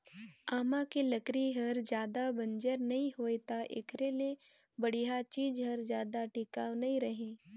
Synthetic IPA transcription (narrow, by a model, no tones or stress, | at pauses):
aːmãkelɐkɾiɦɐɾd͡ʒjaːd̪abɐ̃nd͡ʒəɾnɐɦĩɦoːet̪aʔḛkʰɾele | bɐɽ̤iɦat͡ʃiːd͡ʒɦɐɾd͡ʒjaːd̪aʈɪkaːwnɐɦĩɾɐɦẽː